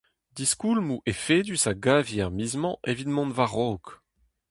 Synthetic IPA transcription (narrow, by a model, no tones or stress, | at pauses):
d̪iskulmuʔefeːd̪ysaɡaviaʁmizmɑ̃ʔevid̪mɔ̃nvaʁoːk